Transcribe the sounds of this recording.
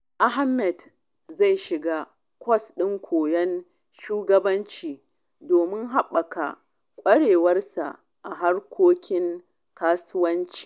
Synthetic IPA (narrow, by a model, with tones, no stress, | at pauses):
ʔa˦ɦa˦mɛ˨d | za˦˨jʃɪ˨ɡaː˦ | kʷʰɔ˦sɗɪ˦ŋkʷoː˨jɐ˦n | ʃuː˦ɡɐ˦bɐ˦nt͡ʃiː˨ | doː˨mɪ˦ŋɦa˦ɓːɐ˨ka̰˨ | kʷʼɐ˦ɽeː˨wɐ˦rsa̰˨ʔ | ʔa˨ɦa˦rkʷʰoː˦kʲɪ˦ŋ | kaː˦sʊ˦wɐ˦nt͡ʃi̥ː˨